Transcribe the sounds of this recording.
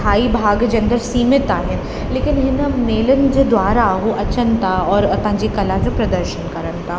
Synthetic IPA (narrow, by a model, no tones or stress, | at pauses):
aːibʱaːɡd͡ʒɐ̃nd̪əɾsiːmɪt̪aɦɛ̃ | leːkɪnɦɪnəneːlənd͡ʒod̪ʋaːɾaɦoʔɐt͡ʃənt̪aɔːɾɐt̪ãd͡ʒikɐlad͡ʒopɾɐd̪əɾʃənkɐɾənt̪ʰa